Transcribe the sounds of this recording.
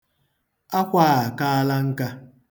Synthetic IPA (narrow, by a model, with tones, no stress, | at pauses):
a˦kʷa˦˨a˨ka˦a˦la˦ŋ̩˦ka˦